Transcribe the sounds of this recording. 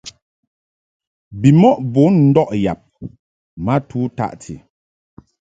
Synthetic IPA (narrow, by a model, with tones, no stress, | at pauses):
bi˨mɔ˦ʔbo˨˦n̩˦dɔ˦ʔja̰˨p̚ | ma˦tʰu˦ta̰˦˨ʔtʰḭ˨